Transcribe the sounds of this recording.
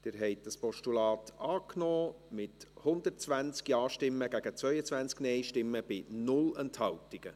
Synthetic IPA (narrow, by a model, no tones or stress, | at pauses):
d̥̪ɪːɾɦɛɪt̚dɑspɔʃtulɑːtɑːknɔːmɪthʊnd̪ətt͡sʋænt͡skjɑːʃtɪmːəɡ̥æɡət͡sʋœʏət͡sʋænt͡sknɛjʃtɪmːəb̥ɪnʊlɛnthɑltɪɡ̥ə